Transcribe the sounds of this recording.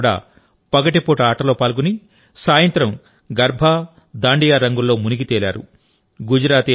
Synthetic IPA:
ɽa̰ː | pɐɡɐʈipoːʈaːʈɐloːpaːlɡuni | saːjɐnt̪ɾɐm | ɡɐɾbʱa | d̪aːɳɖijaːɾɐŋɡulːo̞ːmuniɡit̪eːla̰ːɾṵ | ɡud͡ʒɐɾaːt̪e

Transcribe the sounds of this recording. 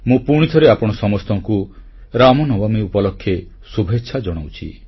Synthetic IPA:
mũpuɽ̃it̪ʰɔɾeapɔɽ̃ɔsɔmɔst̪ɔŋku | ɾamɔnɔbamiupɔlokʰːje | subʱetːʃʰad͡ʒɔɽ̃awt͡ʃʰḭ

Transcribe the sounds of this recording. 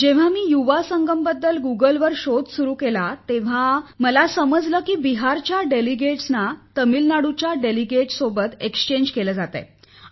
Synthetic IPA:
d͡ʑeʋ̤amiːjuʋasəŋɡəmbəd̪ːəlɡuɡəlʋəɾɕod̪suɾuːkelat̪eʋ̤aməlasəməd͡zləːkiːbiɦaɾt͡ɕjaɖeliɡeʈsnat̪əmilnaɽut͡ɕjaɖeliɡeʈsobət̪ekst͡ɕeɲd͡ʑkeləd͡zat̪ə̰j

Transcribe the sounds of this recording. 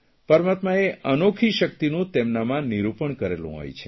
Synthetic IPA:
pəɾmat̪maeʔənokʰiʃək̚t̪inũt̪emnamãniɾupəɳkəɾelṵ̃ɦo̰jt͡ʃʰe

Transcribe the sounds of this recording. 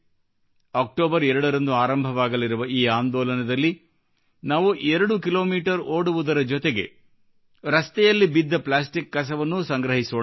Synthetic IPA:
aːk̚ʈoːbɐɾɛɾɐɽɐɾɐnd̪uaːɾɐmbʱɐʋaːɡɐliɾuʋɐiːaːnd̪ɔːlɐnɐd̪ɐlːi | naːʋuʔɛɾɐɽukilo̞ːmiːʈɐɾoːɽuʋud̪ɐɾɐd͡ʒɔt̪eɡe̞̰ | ɾɐst̪ɛjɐlːibid̪ːɐplaːs̬ʈikːɐs̬ɐʋɐnːusɐŋɡɾɐɦisu

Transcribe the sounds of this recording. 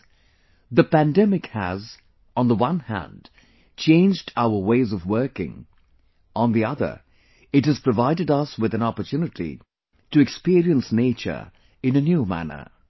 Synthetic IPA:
ðəpæ̃ndɛmɪkhæ̰z̃ | n̩ðəwʌ̃nhæ̰̃nd | t͡ʃʰẽɪ̃nd͡ʒdaʊə˞weɪzʌvwɜ˞kɪ̰̃ŋ | ʔə̃nðiʌðə̰˞ | ɨthɨz̥pʰɹ̥ɨvaɪɾɨdʌswɨðɨ̃nɑpə˞tʰjʉnɨɾḭ | tɨɨkspiɹiɨ̃nsneɪt͡ʃə̰˞ | ɨ̃nɨnjumæ̰nə̰˞

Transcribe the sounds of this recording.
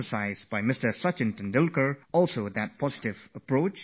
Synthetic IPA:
əsaɪzbaɪmɪstə˞sʌt͡ʃɪ̃ntə̃ndɪlˠkəɹɔlˠsoʊd̪æt̚pʰɔzɪtɪvəpɹoʊt͡ʃ

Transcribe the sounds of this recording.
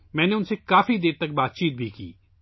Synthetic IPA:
mɛ̃ːneʊnseːkaːfiːd̪eːɾt̪ək̚baːt̪̚t͡ʃiːt̪̚bʱiːkḭː

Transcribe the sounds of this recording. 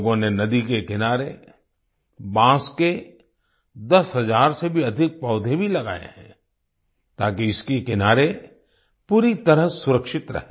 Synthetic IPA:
ɡõnenɐd̪ikekɪnaːɾe | bãːske | d̪ɐsɦɐzaːɾsebʱiɐd̪ʱɪk̚pɔːd̪ʱebʱilɐɡa̰ːjḛɦɛ̰̃ː | t̪aːkiɪskekɪnaːɾe | puːɾit̪ɐɾəɦsʊɾəkʃɪt̪ɾɐ̰ɦe

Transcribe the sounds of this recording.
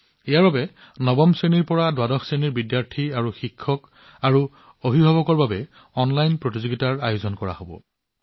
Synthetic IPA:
ɛjaɹbabɛ | nɔbɔmseniɹpɔɹadwadɔxseniɹbidjaɹtʰiaɹuxikʰːɔk | aɹu | obʱibʱabɔkɔɹbabɛ | ɔnlajnpɹotizoɡitaɹajozɔnkɔɹa̰hobɔ̰

